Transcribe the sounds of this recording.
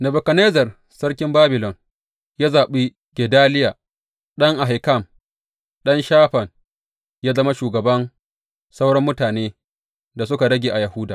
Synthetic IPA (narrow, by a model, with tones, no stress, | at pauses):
nɐ˨bʊ˨kɐ˨neː˦zɐ˨r | sɐ˦rk̬ʲɪ˦mbaː˦bɪ˨lɔ˨n | ja˦zaː˨ɓiː˦ | ɡʲɛ˨daː˦lɪ˦jaː˨ | ɗɐ˦ŋʔa˨ɦa˨ka˦˨m | ɗɐ˦nʃaː˦ɸɐ˨n | jaː˦zɐ˦ma˦ʃuː˨ɡɐ˨bɐ˦n | sa˦wɽɐ˦mːʊ˦taː˨neː˦ | da˨s̬ʊ˦ka˨ɽɐ˦ɡʲeː˨ʔa˨jɐ˨hʊ˦daː˨